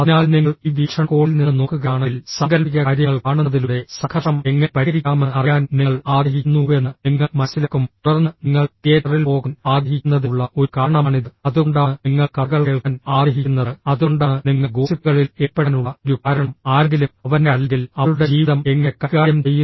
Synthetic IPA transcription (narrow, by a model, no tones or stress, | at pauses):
ɐnaːlniŋːɐɭiʋikʂɐkoːilninːno̞ːkːuɣaːɳɨlsɐŋɡɐɾpik̬ʲːɐaːɾjɐŋːɐɭkaːɳuɐðiluɽe̞sɐkʰɐʂɐmeŋːɐpɐɾiɾikʲːaːmeɐrijaːnniŋːɐɭaːrɐɦiunːue̞nːɨniŋːɐmɐsilɐkːumuɐrnɨniŋːɐɭkeːɾrilpo̞ːɣunaːɣɐɦikʲːunːɐðuɭːɐʔo̞ɾkaːɾɐɳɐmaːɳiðɨɐðuɳɖaːniŋːɐɭkɐɣɐɭkeɭkɐnaːrɐɦikʲːunːɐðɨɐðuɳɖaniŋːɐɡoːsipːuɣɐɭileːpːɐɽɐnuɭːɐoɾukaːɾɐɳɐmaːɾɐɡilumɐʋɐnelːeŋɡilɐɭuɽe̞d͡ʑiːʋðɐme̞ŋːɐkːɐkaːjɐmt͡ɕejːu